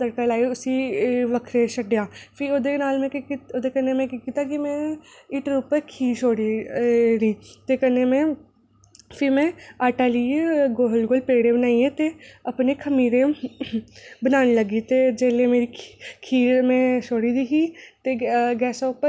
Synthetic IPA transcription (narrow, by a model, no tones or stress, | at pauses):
t̪əɾkalaːiʊsiʋəkʰɾeʃəɖjaːpʰɪoːd̪eːnaːlmɛ̃ːoːd̪eːkəɾnemɛ̃ːkikiːt̪aːkimɛ̃ːiːʈɾupəkʰiːʃoːɽinĩːt̪eːkəneːmɛ̃ː | pʰɪmɛ̃ːaːʈaːliːeɡoːlɡoːlpeːɽebənaːiẽːt̪eːəpneːkʰəmiːɾẽ | bənaːnːləɡiːt̪eːd͡ʒeːlemeːɾikʰiːmɛ̃ːʃoːɽiːd̪iːɦiːt̪eːɡɛːsaʊpə